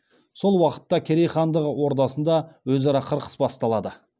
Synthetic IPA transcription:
so̞lˠwɑqə̥t̪ːɑkʲʰeɾejχɑnd̪əʁəwo̞ɾd̪ɑsənd̪ɑwɵzɑɾɑqʰəɾqʰə̥sbɑst̪ɑlˠɑd̪ə

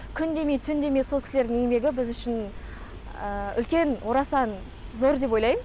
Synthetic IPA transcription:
kʲʰʏnd̪e̞mejt̪ʰʏnd̪e̞mesokʲɪ̥sled̪ɪŋeŋme̞ɡʲɪbɪzʏʃɪn | əʏ̰lkʲe̞nwʔo̞ɾɑsɑn | zo̞ɾd̪e̞p̬o̞jlˠɑjmə

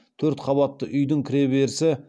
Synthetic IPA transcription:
t̪ʰɵɾt̪qʰɑbɑt̪ːəʔʏjd̪ɪŋkʲʰɪɾe̞be̞ɾɪsɪ

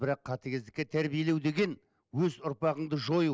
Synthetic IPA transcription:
bɪɾɑqʰːɑt̪eɡʲezd̪ɪkʲːet̪ʰæɾbije̞le̞wd̪e̞ɡʲe̞n | wɵzʊɾpɑʁəɴd̪əʒo̞j

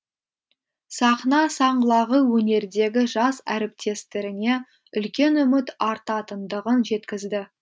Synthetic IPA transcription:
sɑχnɑsɑɴɢəlˠɑʁəwɵne̞ɾd̪e̞ɡʲɪʒɑsæɾɪp̚t̪ʰe̞st̪ɪɾɪne̞ | ʏlkʲe̞nʏmɪt̪ɑɾt̪ɑt̪ənd̪əʁənʒe̞t̪kʲɪzd̪ɪ

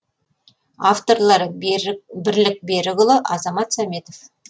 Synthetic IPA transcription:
aft̪o̞ɾlˠɑɾ | bɪɾlɪk̚be̞ɾɪɡʊlˠəʔɑzɑmɑt̪sɑmʲe̞t̪o̞f

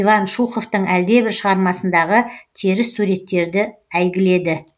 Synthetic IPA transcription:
ivɑnʃuqo̞ft̪əɴæld̪e̞bɪɾʃəʁɑɾmɑsənd̪ɑʁət̪ʰeɾɪssuɾe̞t̪ːe̞ɾd̪ɪæjɡʲɪle̞d̪ɪ

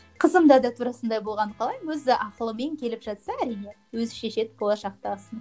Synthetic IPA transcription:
qʰəzəmd̪ɑd̪ɑt̪ʰuɾɑsənd̪ɑjbo̞lˠʁɑɴqʰɑlˠɑjmwɵzɪʔɑqəlˠəme̞ŋkʲʰe̞lɪpʒɑt̪sɑæɾijne̞ | wɵzʃeʃe̞t̪bo̞lˠɑʃɑq̚t̪ɑsən

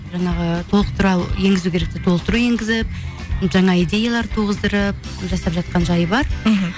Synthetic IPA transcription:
ʒɑɴɑʁət̪ʰolˠəqt̪ʰʊɾɑwje̞ŋɡʲɪzuwkʲʰe̞ɾe̞k̚t̪et̪ʰo̞lˠət̪ʊɾuje̞ŋɡʲɪzɪp̚ | ʒɑɴɑijd̪e̞jalˠɑɾt̪ʰuʁəzd̪əɾəp̚ | ʒɑsɑpʒɑt̪̚qɑnʒɑjəbɑɾ̩ɦ̩

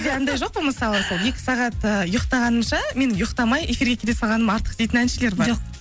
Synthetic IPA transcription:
d̪ʲeɑnd̪ɑjʒo̞q̚pəməsɑlˠəsolˠje̞kʲɪ̥sɑʁɑt̪əjʊqt̪ɑʁɑnəmʃɑme̞nɪmjʊqt̪ɑmɑjʔe̞fiɾɡʲe̞kʰʲelesɑlˠʁɑnəmɑɾt̪ə̥qd̪e̞jt̪ɪnænʃele̞ɾbɑɾo

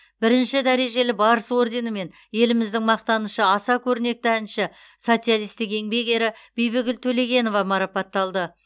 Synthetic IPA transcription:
bɪɾɪnʃɪd̪æɾe̞ʒe̞lɪbɑɾəso̞rd̪e̞nəme̞n | je̞lɪmɪzd̪ɪŋmɑq̚t̪ɑnəʃəɑsɑkʲʰɵɾɪne̞k̚t̪ɪænʃɪ | so̞t̪sijalˠijst̪ɪke̞ŋbe̞ɡʲe̞ɾɪb̥ejbɪɡʲɪlt̪ʰɵle̞ɡʲe̞no̞vɑmɑɾɑpɑt̪ːɑlˠd̪ə

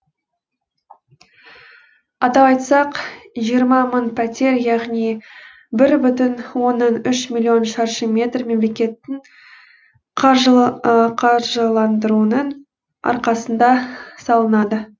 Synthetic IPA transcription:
ɑt̪ɑpɑjt̪sɑqʒijəɾmɑmənpʰæt̪ʲe̞ɾjɑʁnij | bɪɾbʏt̪ɪnwo̞nːɑnʏʃmilʲːio̞nʃɑɾʃəmʲe̞t̪rme̞mle̞kʲe̞t̪ːɪŋ | qʒqʰɑɾʒəlˠɑnd̪əɾuənəɴ | ɑ̰ɾqɑsənd̪ɑsɑlˠənɑd̪ə

